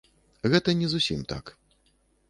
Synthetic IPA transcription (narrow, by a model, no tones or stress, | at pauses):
ɣɛt̪ɐnʲɛzusʲḭmt̪a̰k